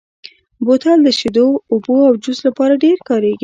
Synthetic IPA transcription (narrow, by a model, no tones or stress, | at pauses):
bot̪ɑld̪əʃed̪oːboawd͡ʒuslapɑɾaɖeɾkɑɾeɡi